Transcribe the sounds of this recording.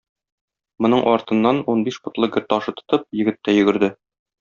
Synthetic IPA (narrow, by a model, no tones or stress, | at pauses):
mŏnɤɴʔɒɾt̪ɤ̆nːɑnunbiʃbŏt̪lˠɤɡɘ̆ɾt̪ɒʃɤt̪ŏ̥t̪ɤp̚jɘ̆ɡɘ̆t̪ːæjɵ̆ɡɘ̆ɾd̪ɘ